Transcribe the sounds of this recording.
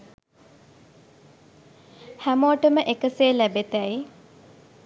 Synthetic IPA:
hæmoːʈəməʔekəseːlæbet̪æj

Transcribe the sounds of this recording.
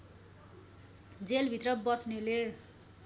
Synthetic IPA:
d͡zelbʱit̪rʌbʌsnele

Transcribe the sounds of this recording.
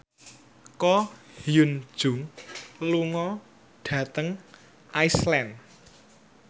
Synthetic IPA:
kɔhijun̥ʒ̥ʊ̤ŋluŋɔ | ɖ̥ä̤t̪əŋ | ʔaislɛn

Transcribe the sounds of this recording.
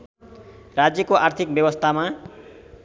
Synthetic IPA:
rad͡zjʌkoʔart̪ʰik̚bjebʌst̪ʰama

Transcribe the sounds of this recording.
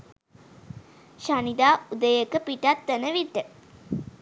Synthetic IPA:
ʃanid̪aːud̪əjəkəpiʈat̪ːənəʋiʈːə

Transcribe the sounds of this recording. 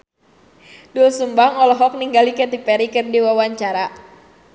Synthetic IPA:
dulsumbaŋɔlɔɦɔk̚niŋɡalikɛt̪ipɛɾikɨrdiwawaɲt͡ʃaɾa

